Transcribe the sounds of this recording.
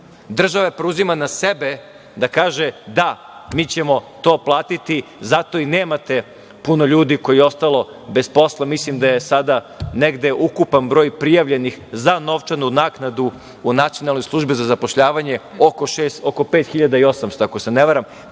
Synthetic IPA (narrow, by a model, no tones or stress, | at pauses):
d̪r̩ʒaʋapɾeuzimanasebe | d̪akaːʒed̪a | miːt͡ɕe̞mo̞t̪o̞ːplˠaːt̪it̪izat̪o̞ineːmat̪e̞ | puno̞ʎuːd̪iko̞jio̞st̪alˠo̞ | be̞spo̞slˠamislimd̪aje̞sad̪a | neɡd̪e̞ʔukupanbɾo̞ːjpɾijaʋʎe̞nixzano̞ʋt͡ʃanunaːknad̪uː | nat̪sijo̞nalˠno̞jslˠuʒbizazapoʃʎaːʋaɲeokoʃeːst̪oko̞peːt̪xiʎad̪aio̞samst̪oakoseneʋaɾam